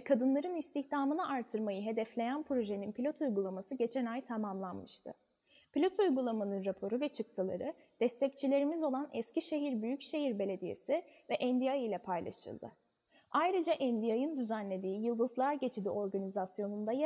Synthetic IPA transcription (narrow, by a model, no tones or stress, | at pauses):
kʰad̪ɯnlˠaɾɯnist̪ʰiçd̪aːmɯnaʔaɾt̪ʰːɯɾmajɯɦe̞d̪ɛflʲe̞jænpɾo̞ʒeninpʰilʲo̞t̪ʰujɡulˠamasɯɟe̞t͡ʃʰɛnajt̪ʰamamlˠanmɯʃt̪ʰɯ̰ | pilʲo̞t̪ʰujɡulˠamanɯnɾapʰo̞ɾuvɛt͡ʃʰɯk̚t̪ʰɯlˠa̰ɾɯ | d̪̥ɛst̪ʰɛc̚t͡ʃʰilʲe̞ɾimizo̞lˠanɛsciʃe̞ɦiɾbyjycʃe̞hiɾbe̞lʲe̞d̪ije̞̰sivɛʔɛnd̪ijajilʲɛpʰajlˠa̰ʃɯ̰lˠd̪ɯ̰ | ajɾɯd͡ʒaʔɛnd̪ijajɯnd̪yzænlʲe̞d̪iːjɯlˠd̪ɯzlˠaɾɟe̞t͡ʃʰid̪ḭʔo̞ɾɡanizasjo̞nund̪aj